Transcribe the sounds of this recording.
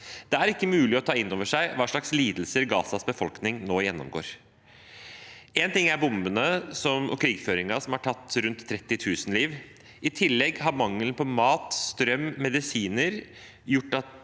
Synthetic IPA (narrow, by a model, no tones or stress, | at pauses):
d̪̥ɛæɾɪkːəmʉːlɪɔt̪ʰɑːɪnːoːʋəʂæɪʋɑːʂɭɑksliːd̪l̩səɾɡɑ̰ːsɑsbəfɔlknɪŋnoːjɛnːɔ̰mɡo̰ːɾ | eːnt̪ɪŋːæɾbʊmbənəsɔmɔ̰kʰɾiːɡføːɾɪŋɑsɔmhɑʈʰɑt̪ːɾʉnt̪ʰːɾɛt̪ːɪt̪ʰʉːsn̩liːʋ | ɪt̪ʰɪlːɛɡɦɑɾmɑŋlənpʰɔmɑːt̪st̪ɾœmːɛd̪ɪsiːnəɾ | jʊʈːɑt̪